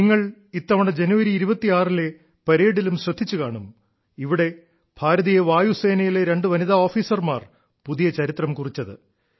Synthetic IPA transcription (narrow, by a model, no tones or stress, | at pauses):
niŋːɐɭ | it̪ːɐʋɐɽed͡ʑenuʋɐɾiːɾubɐt̪ːiaːrile̞ | pɐɾeːɽilumɕrɐd̪ʱːit͡ɕːukaːɳum | iʋiɽe̞ | b̥ʱaːɾɐðijeʋaːjuse̞ːnɐjile̞ɾe̞ɳɖɨʋɐniðaoːfiːsɐrmaːr | puðijɐt͡ɕɐɾit̪rɐmkurit͡ɕːɐðɨ̰